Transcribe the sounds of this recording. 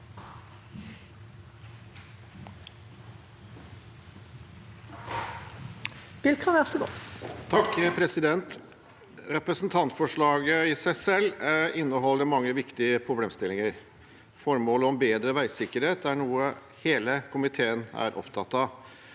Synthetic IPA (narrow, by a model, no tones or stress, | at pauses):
bɪlkʰɑæʁsəɡo̰ːt̪ʰɑkpʰɾɛsɪd̪ɛnt̪ | ɾɛpɾəsnt̪ʰɑnt̪fɔʂɭɑːɡəɪsæɪsɛlːɪnːəɦɔlːəmɑŋːəʋɪkt̪ɪəpʰɾʊbleːmst̪ɪlɪŋəɾ | fɔɾmoːləɔmbeːd̪ɾəʋæɪsɪkːəɾheːt̪æɳuːə | heːləkʰʊmɪt̪ʰeːənæ̰ɾʔɔ̰pt̪ʰɑt̪ːɑ